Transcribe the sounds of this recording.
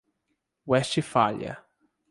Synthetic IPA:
wɛst͡ʃɪfaʎɐ̰

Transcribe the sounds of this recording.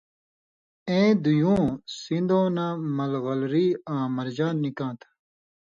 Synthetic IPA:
ẽːd̪ujũːsĩnd̪õːnamɐlɣɐlɾiːãːmɐɾd͡ʑaːnːikãːt̪ʰ

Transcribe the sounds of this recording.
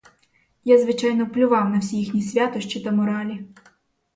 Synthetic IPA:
jazʋɪt͡ʃɑjnɔplʲʊʋɑwnɐwsʲijixnʲisʲʋʲat̪ɔʃt͡ʃit̪ɐmɔɾɑlʲi

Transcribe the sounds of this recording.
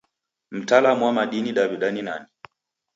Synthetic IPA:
m̩talamuwamaɗiniɗaβiɗaninani

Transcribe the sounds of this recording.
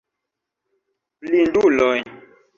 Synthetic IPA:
plindulɔɲ

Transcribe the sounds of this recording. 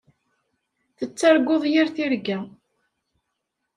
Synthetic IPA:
θət͡sːaɾɡʷːoðˤjiɾθiɾɡæ

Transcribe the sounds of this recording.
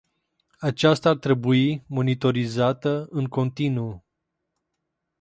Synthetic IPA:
at͡ʃast̪aːrt̪ɾe̞buimo̞nit̪o̞ɾizat̪əɨŋko̞nt̪inu

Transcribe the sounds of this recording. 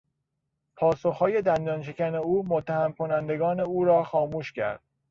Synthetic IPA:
pʰɒːsoxhɒːje̞d̪ænd̪ɒːnʃ̬ecæne̞uːmot̪ʰːæhæmkʰo̞nænd̪e̞ɡɒːne̞uːɾɒːxɒːmuːʃcʰæ̰ɾd̪̥

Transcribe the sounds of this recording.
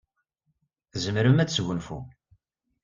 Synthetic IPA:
zəmɾəmæt͡sːsʝʷʊnfṵ

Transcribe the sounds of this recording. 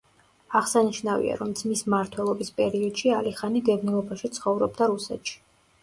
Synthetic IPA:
aʁsaniʃnavḭa̰ɾɔmd̪z̥mismaɾt̪ʰwɛlˠɔbispʼɛɾiɔd̪̥ʃialiχaniɡ̪ɛbnilˠɔbaʃit̪sʰχɔvɾɔb̚d̪aɾusɛ̰t̪ʃi̥

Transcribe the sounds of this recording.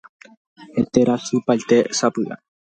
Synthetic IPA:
et̪eɾasupajt̪e̞sapɨʔa̰

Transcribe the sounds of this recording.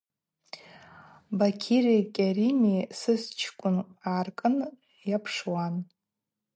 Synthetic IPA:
bakʲʰirekʲʼaɾimisɨst͡ʃʰkʷʼʊnaːrkʼɨn | japʰʂwan

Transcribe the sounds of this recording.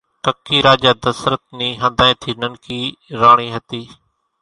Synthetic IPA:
kəkːiːɾaːd͡ʒaːd̪əsɾət̪̚niːɦə̃nd̪ʱaːẽːt̪ʰiːnənkiːɾaːɽ̃iːɦɐt̪iː

